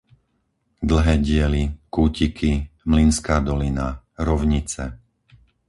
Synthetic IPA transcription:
d̪l̩ɦɛːɟɪɛlikuːcikʰimlinskaːd̪ɔlina | ɾɔʊɲit͡sɛ

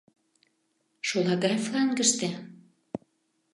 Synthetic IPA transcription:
ʃolɑɣɑjflɑŋɡə̆ʃt̪ĕ

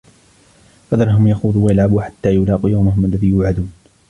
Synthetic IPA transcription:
fad̪ɑɾˤɦʊmjaxuːðˤuːwajalʕabuːħḁt̪ːaːjʊlɑːqijawmaɦʊmʔalːaðiːjʊʕad̪uːn

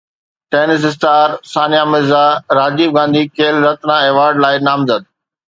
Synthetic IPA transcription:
ʈeːnɪs̬ɪs̬ʈaːɾsaːnijamɪɾzaɾaːd͡ʑiːb̚ɡãːnd̪ikeːlɾɐt̪ɾãeːʋaːɾɖlaːɪnaːmzəd̪̚

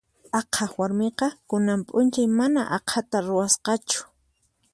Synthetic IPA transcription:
ɑqʰɑχwaɾmeqɑkʊnampʼʊnt͡ʃajmana̰ʔɑqʰat̪aɾʊwasqɑt͡ʃʊ̥

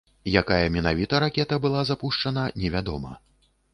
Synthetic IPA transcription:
jakajɐmʲɛnavʲit̪ɐɾakʲɛt̪ɐbɨlˠazapuʂt͡ʂɐnɐnʲɛvʲad̪ɔmɐ̰

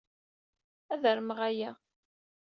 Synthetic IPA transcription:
æðəɾmʁæjæ

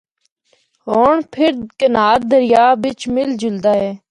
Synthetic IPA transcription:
ɦoːɳpʰɪɾkənaːɾd̪əɾɪjaːʋɪt͡ʃmɪld͡ʒʊld̪aːɦɛː

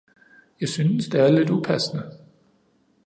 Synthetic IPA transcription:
jɑ̈ɪsynəsd̥eæɐle̝d̥upʰæsnə

